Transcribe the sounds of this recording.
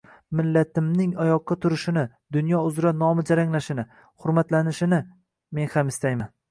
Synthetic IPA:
mɪlːat̪ʰɪmnɪŋajɒqːɑt̪ʰʊɾɪʃɪnɪ | d̪ʊnjɒʊzɾanɒmɪd͡ʒaɾaŋlaʃɪnɪ | hʊɾmat̪lanɪʃɪnɪ | me̞nhamɪst̪ʰajman

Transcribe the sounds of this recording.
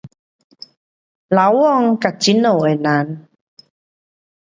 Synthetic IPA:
lawɔŋkat͡ɕinowenan

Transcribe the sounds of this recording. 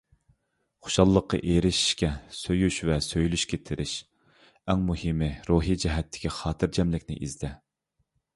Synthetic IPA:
χo̥ʃɑlˠːəqːɑ̰ʔeɾɪʃi̥ʃkʲɛsøjyʃvɛsøjlyʃkʲʰɛt̪ʰɪɾɪʃ | ɛŋmuhimɪɾoɦid͡ʒɛɦɛt̪ʰːɪ̥kʲiχɑːt̪ʰɨɾd͡ʒɛmlɪkʲnɪ̰ʔizd̪ɛ

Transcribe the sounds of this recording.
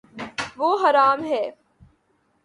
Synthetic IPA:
ʋoːɦɐɾaːmɦɛː

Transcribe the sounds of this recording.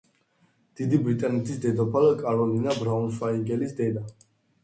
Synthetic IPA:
d̪̥id̪ibɾit̪ʼanɛt̪ʰisd̪ɛd̪ɔpʰalkʼaɾɔlinabɾaunʃwaiɡɛlisd̪ɛd̪a

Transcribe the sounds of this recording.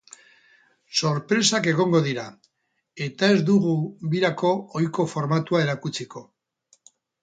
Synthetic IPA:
so̞ɾpɾe̞sake̞ɣ̞o̞ŋɡo̞ðiɾa | e̞t̪ae̞zd̪uɣuβiɾako̞ojko̞fo̞ɾmat̪uae̞ɾakut͡siko̞

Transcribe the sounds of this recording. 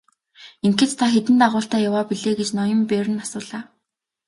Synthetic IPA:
iŋkĕt̪t̪ʰːaxet̪ɘ̆nt̪aʁʊːɬt̪æːjawaːpiɮeːɡet͡ɕnɔjə̆mpeːɾɘ̆nasʊːɮaː

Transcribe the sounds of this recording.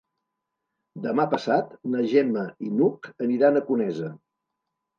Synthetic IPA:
d̪əmapəsat̪nəʒɛməinukəniɾanəkunɛzə

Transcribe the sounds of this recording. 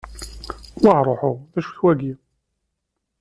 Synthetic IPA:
wɑɾˤoħʊðæʃu̥çwæɡi

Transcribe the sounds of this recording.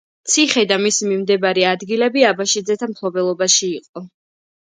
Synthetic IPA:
t̪sʰiχɛd̪amisimimd̪ɛbaɾɛad̪ɡilɛbiabaʃid̪zɛt̪ʰamt̪ʰlˠɔbɛlˠɔbaʃiːqʼɔ

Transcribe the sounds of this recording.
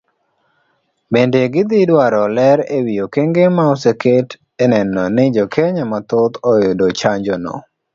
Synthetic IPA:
bendeɡɪd̪ɪdwaɾɔlɛɾewijokeŋɡemaɔseket | enɛnɔnɪd͡ʒɔkʰeɲamat̪ʊt̪ɔjodot͡ʃaɲd͡ʒɔnɔ̰

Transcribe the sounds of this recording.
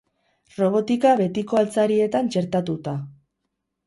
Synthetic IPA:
ro̞β̞o̞t̪ikaβe̞t̪iko̞alt͡saɾie̞t̪ant͡ʃe̞ɾt̪at̪ut̪a

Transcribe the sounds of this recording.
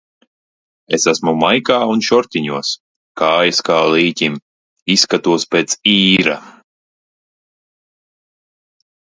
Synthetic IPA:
esæsmumajkaːunʃɔɾt̪ʲiɲuɔs | kaːjaskaːliːcʲim | iskat̪uɔspʲeːt̪siːɾa

